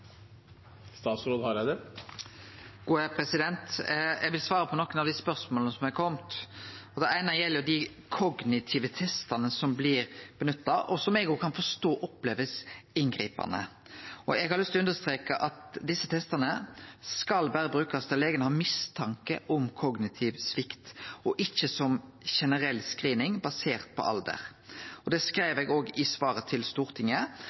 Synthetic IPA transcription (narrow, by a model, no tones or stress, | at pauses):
st̪ɑːt̪sɾoːd̪hɑɾjæd̪ɛ | ɡ̥uːæpʰɾɛsɪd̪ɛnt̪ɛɡʋɪlsʋɑːɾəpʰɔnɔkːənɑʋd̪ɪspœɾsmoːlnəsɔmæɪkʰɔmt̪ɔd̪ɛæɪnɑjɛlːjʊd̪ɪ | kʰɔɡnɪt̪ʰiːʋət̪ʰɛst̪ɑnəsɔmblɪɾb̥ənʉt̪ːɑʔɔsɔmɛɡoːkʰɑnfɔst̪oːʔɔpleːʋəsɪŋɡɾḭːpɑ̰nə̰ | ɔɛɡhɑɾlʏst̪ʉnd̪əst̪ʁeːkɑʔɑt̪d̪ɪsːət̪ʰɛst̪ɑnəskɑlbæːɾəbɾʉːkɑst̪ɛleːɡənəhɑːmɪst̪ʰɑŋkəʔɔmkʰɔɡnɪt̪ʰɪʋsʋɪkt̪ɔʔɪçːəsɔmʃɛnəʁɛlːskʁiːnɪŋbɑseːʁt̪̚pʰɔ̰ʔɑ̰ld̪ə̰ʁɔd̪ɛskɾæɪʋɛɡoːɡɪsʋɑːɾət̪ʰɪlst̪uːɾt̪ʰɪŋːə